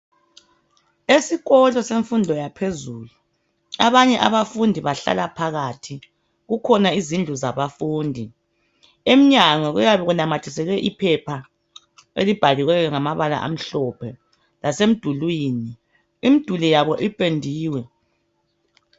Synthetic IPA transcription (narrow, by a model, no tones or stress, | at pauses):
esiɣɔlɔseɱfundʱɔjapʰezuːlu | aβaɲɛʔaβafundʱiβaɬa̰lapʰaɣatʰi | ɣukʰɔnaizind͡ɮʱuzaβafuːndʱi | em̩ɲaŋɔɣujaβɛɣunamatʰisɛɣɛʔipʰɛpʰa | ḛlib̥ʱaliɣwɛɣɛŋamaβala̰ʔa̰m̩ɬɔpʰɛ | lasem̩d̥ʱulwiːni | imid̥ʱulijaβɔʔipʼendʱiːwɛ